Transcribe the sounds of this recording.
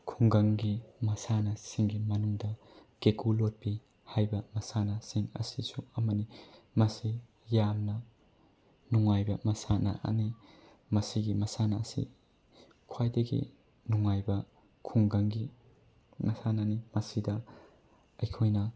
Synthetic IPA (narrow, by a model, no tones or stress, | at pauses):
kʰuŋɡɐŋɡimɐsanɐsiŋɡimɐnuŋdɐ | ɡekulot̚pi | hajbɐmɐsanɐsiŋɐ̰sisuɐmɐnimɐsi | jamnɐ | nuŋajbɐmɐsanɐ̰ʔɐ̰ni | mɐsiɡimɐsanɐːsḭ | kʰwajdɐɡḭ | nuŋajbɐ | kʰuŋɡɐŋɡi | mɐsananimɐsidɐ | ɐjkʰojnɐ